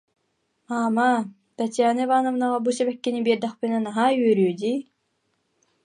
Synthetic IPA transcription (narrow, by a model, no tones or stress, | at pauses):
aːma | t̪at̪jaːnɯvaːnɔvnaʁabusɛbɛkːinibiːɾd̪ɛχpinɛnaɦaːyœɾyːd̪iː